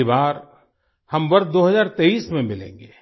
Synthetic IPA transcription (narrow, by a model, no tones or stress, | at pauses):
ibaːɾ | hɐmʋɐɾt̪̚d̪oːɦɐzaːɾt̪eːiːsmẽmɪlḛ̃ːŋɡeː